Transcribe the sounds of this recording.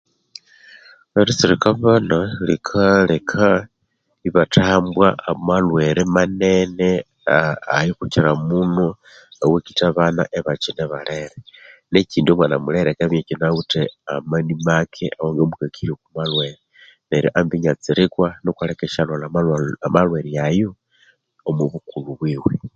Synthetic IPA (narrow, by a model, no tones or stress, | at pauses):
eɾit͡siɾikaβanalikʰalekʰa | iβatʰaːmbwaamalwe̞ɾemaneneː | jixuciɾamuno | awekitaβanaʔeβat͡ʃineβaleɾeneciːndiomwanamuleɾekaβjecinautea̰manimakʰḛʔawoŋɡemukakʰiɾiokumalweɾe | neɾjiʔambiɲat͡siɾikwanokwalekeʃalolamalmalwe̞ɾijajo | omuβukuluβwiːwe